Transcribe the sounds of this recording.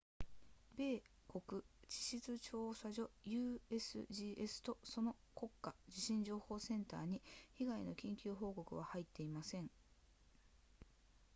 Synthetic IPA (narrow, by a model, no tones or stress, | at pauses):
be̞ː | ko̞kɯ̟t͡ɕi̥ɕit͡sɨt͡ɕo̞ːsaʑo̞jɯ̟ːe̞sɨ̰ʑiːʔesɨ̥t̪o̞so̞no̞ko̞kːad͡ʑiɕĩɲ̟d͡ʑo̞ːho̞ːsẽ̞nt̪a̰ːɲ̟içiɡaino̞kʲĩŋkʲɨːɦo̞ːko̞kɯ̟β̞ahait̪ːe̞imasẽ̞ŋ